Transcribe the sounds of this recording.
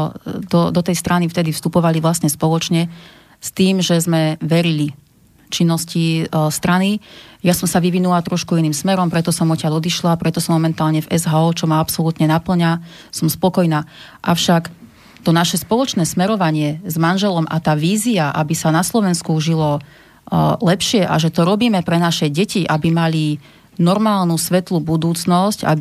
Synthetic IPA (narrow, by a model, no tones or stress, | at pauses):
d̪ɔd̪ɔt̪ɛjst̪ɾanift̪ɛd̪ifst̪upɔʋaliʋlasɲɛspɔlɔt͡ʃɲɛ | st̪iːmʒɛzmɛʋɛɾili | t͡ʃinːɔscist̪ɾanijasɔmsaʋiʋinulat̪ɾɔʃkuiniːmsmɛɾɔmpɾɛt̪ɔsɔmɔcaʎɔd̪iʃlapɾɛt̪ɔsɔmːɔmɛnt̪aːlɲɛvɛzɦaɔːt͡ʃɔmaapsɔlut̪ɲɛnapl̩ɲa | sɔmspɔkɔjnaː | ʔaʊʃak | t̪ɔnaʃɛspɔlɔt͡ʃnɛːsmɛɾɔʋaɲɪɛzmanʒɛlɔmʔa̰t̪aːʋiːziaʔabisanaslɔʋɛnskuʒilɔ | lɛpʃɪɛʔa̰ʒɛt̪ɔɾɔbiːmɛpɾɛnaʃɛɟɛciʔabimali | nɔɾmaːlnusʋɛt̪lubud̪uːt͡snɔsca̰